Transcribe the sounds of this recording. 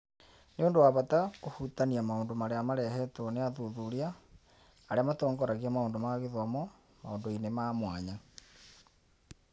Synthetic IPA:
neoːndowaβatakohutaniamaoːndomaɾeamaɾɛhɛtɔneaðuðuɾiaː | ɾeamatɔːŋɡɔɾaɣiamaoːndomaɣeðɔmɔ | maoːndoinemaːmwaɲa

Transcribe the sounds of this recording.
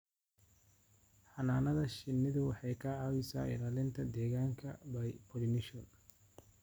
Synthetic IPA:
ħɑnaːnɐðɐʃɪnːɪðʊwɑħɑjkʰɐɑːwɪsa̰ːʔɪ̰laːlɪnt̪ʰɐd̪ɛːɣaːŋkʰɐbɐjpʰɔlɪnɪʃɔn

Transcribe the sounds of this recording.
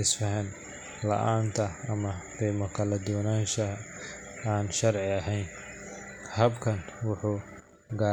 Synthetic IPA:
ɪsfɐɦɛn | lɐ̰ʔaːnt̪ʰɐːmɐqɛːmɐkʰɐlɐd̪ɔːnaːnʃɐ | aːnʃɐrʕɪɐɦɛjn | hɐbkʰɐnwʊħuː | ɡaː

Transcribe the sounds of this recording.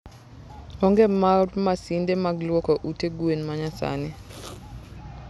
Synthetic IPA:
ɔŋɡɛmarmasindemaɡlwɔkɔʔuteɡwenmaɲasa̰nɛ

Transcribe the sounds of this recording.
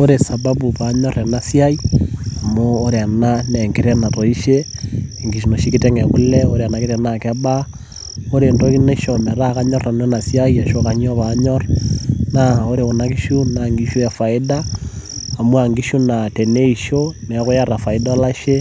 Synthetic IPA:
oɾesaβabuβaɲoɾenasjaiamoːɾeananeŋɡiɾenatoiʃeŋɡiʃunoʃikiteŋekuleoɾeanakeɾenakeβa | oɾendokinaiʃomeɾakaɲoɾanonasjaiaʃokaɲoβaɲoɾnaoɾeonakiʃunaŋɡiʃujafaidaː | muaŋɡiʃunateneiʃonekojaɾafaidalaʃe

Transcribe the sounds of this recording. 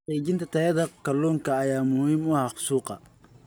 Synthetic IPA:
ɛjt͡ʃɪnt̪ʰɐt̪ʰɐjɐðɐkʰɐlɔːŋkʰɐːjaːmʊhiːmʊhɐχʊ̥suːqɑ̰

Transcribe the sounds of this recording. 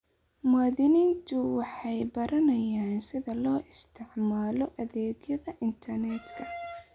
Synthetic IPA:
maːðɪniːnt̪ʰʊwɑħɑjbɐɾɐnɐjaːnsɪðɐlɔːʔɪst̪ʰɪʕmaːlɔʔɐðɛːɡjɐðɐʔɪnt̪ʰɐrnɛd̪kʰɐ

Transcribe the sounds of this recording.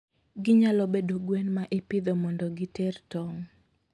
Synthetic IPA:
ɡɪɲalɔbedoɡwɛnmaʔɪpɪd̪ɔmɔndɔɡɪtɛrtɔŋ

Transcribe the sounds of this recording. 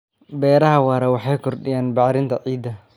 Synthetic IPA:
bɛːɾɐɦɐwɑːɾɐwɑħɑjkʰɔrɖɪjaːnbɑʕɾɪnt̪ʰɐʕiːd̪ɐ

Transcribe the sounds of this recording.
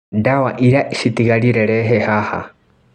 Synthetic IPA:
dawaʔiɾaʔiʃit̪iɣaɾiɾɛɾɛɦehaha̰

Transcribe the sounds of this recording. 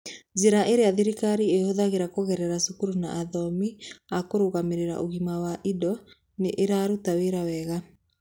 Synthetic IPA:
zeɾaʔeɾeaðiɾikaɾiehoðaɣeɾakoɣɛɾɛɾasukuɾuna̰ʔaðɔmiakoɾoɣameɾeɾa̰ʔoɣimawaʔidɔ | neʔeɾaːɾutaweɾawɛɣa

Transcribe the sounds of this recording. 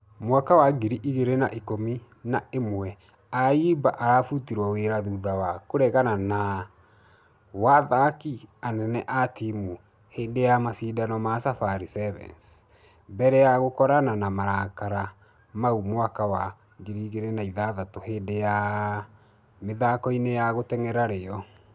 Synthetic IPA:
mwakawaɡiɾiʔiɣeɾenaʔikomi | naemwɛ | aibaʔaɾafutiɾwaweɾaðuðawakoɾɛɣanana | waðakianɛnɛʔatimu | hendejamasiːdanɔmasafaɾisɛvɛ̰ns | mbɛɾɛjaɣokɔɾananamaɾakaɾa | maumwakawa | ɡeɾiːɣeɾɛnaiðaðatoheːndeja | meðakɔinejaɣotɛŋɛɾaɾeɔ

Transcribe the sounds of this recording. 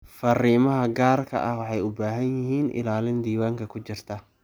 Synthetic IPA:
fɐriːmɐɦɐɡaːrkʰɐ̰ʔɐhwɑħɑjʊbaːɦɐnjɪɦiːnʔɪ̰laːlɪnd̪iːwaːŋkʰɐkʰʊt͡ʃɪrt̪ʰɐ

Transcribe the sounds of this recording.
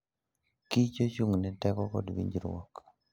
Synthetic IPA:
kit͡ʃot͡ʃuŋnɛtɛkɔkɔ̰dwḭɲd͡ʒɾwɔ̰k

